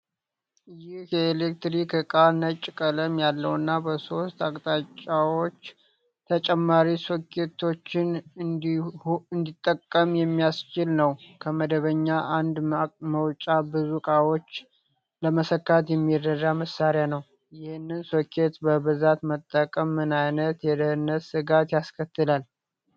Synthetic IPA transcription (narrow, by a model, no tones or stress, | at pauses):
jɪhjɛelekt̪ɾikɨkʼanət͡ʃʼːkʼələmjalːəwnːabəso̞st̪akʼt̪ʼat͡ʃʼːawo̞t͡ʃː | t̪ʰət͡ʃʼɛmːaɾisokʰe̞t̪ʰo̞t͡ʃːɪn | ɨnd̪it̪ʼːəkʼːəmjɛmːijast͡ʃɪlnəwkʰəməd̪əβəɲːaʔand̪məwt͡ʃʼabɨzukʼawo̞t͡ʃː | ləməsəkːat̪jɛmːirːəd̪aməsːaɾɪjanəw | jɪhɪnːɨnsokʰe̞t̪bəβɨzat̪mət̪ʼːəkʼəmːɨnajnət̪jɛd̪əhɨnːəsɨɡat̪jaskʰət̪ʰːɨlal